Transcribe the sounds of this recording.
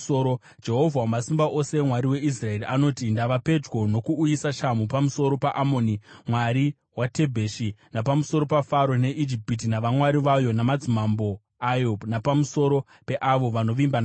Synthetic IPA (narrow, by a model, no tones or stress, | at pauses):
oɾo | d͡ʒe̞ɦo̞vʱawamasimbaʔo̞se̞mwaɾiwe̞is̬rae̞riʔano̞tindaʋape̞d͡ʒwo̞no̞kuːjisaʃamupamuso̞ɾo̞paʔamo̞nimwaɾi | wate̞bʱeʃinapamuso̞ɾo̞pafaɾone̞ʔid͡ʒipit̬inaʋamwaɾiʋajo̞namad͡zimambo̞ | ajo̞napamuso̞ɾo̞ | pe̞ʔaʋo̞ʋano̞ʋimbana